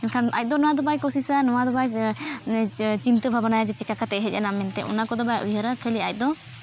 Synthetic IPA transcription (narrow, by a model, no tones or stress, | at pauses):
ɛnkʰana̰c̚ˀd̪ɔnɔwad̪ɔbajkɔsisanɔwad̪ɔbaj | t͡ʃint̪əbʱabanajad͡ʒɛt͡ʃikakat̪ɛʔɦɛc̚ˀanamɛnt̪ɛʔɔ̰nakɔd̪ɔbajaʔujəɾakʰəliac̚d̪ɔ